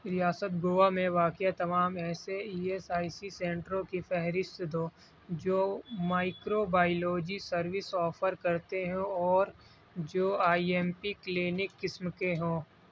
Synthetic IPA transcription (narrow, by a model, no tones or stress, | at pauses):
ɾɪjaːsət̪ɡoːʋamẽʋaːkjat̪ɐmaːmɛːseiːesaːisisẽːɳʈɾõkifɛɦɾɪst̪d̪oː | d͡ʒoːmaːɪkɾobaːɪloːd͡ʒisɐɾʋɪsɔːfʰəɾkɐɾt̪eɦɛ̃ɔːɾ | d͡ʒoːaːiɛːmpikːleːnɪkːɪsmkeɦõː